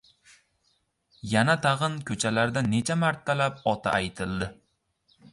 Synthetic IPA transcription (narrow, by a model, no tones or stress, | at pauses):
janat̪ʰɑʁɨnkʲʰɵt͡ʃʰalaɾd̪ane̞t͡ʃʰamaɾt̪ʰːalapɒt̪ʰa̰ʔajt̪ʰɪld̪ɪ